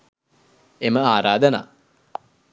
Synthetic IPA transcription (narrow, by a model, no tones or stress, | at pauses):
eməaːɾaːd̪əna̰ː